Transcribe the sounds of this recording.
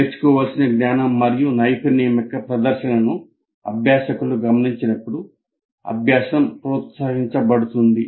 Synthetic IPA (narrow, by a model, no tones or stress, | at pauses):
eɾt͡ʃu̥kɔːʋaːlsinɐɡnaːnɐmːɐɾijunɐjpinijɐmɐkːɐpɾɐd̪ɐɾʃɐnɐnu | ɐ̰bʱjaːʃɐkuluɡɐmɐniɲt͡ʃinɐpːuɽu | ɐ̰bʱjaːsɐmpɾɔːt̪saːɡiɲt͡ʃɐbɐɽut̪und̪i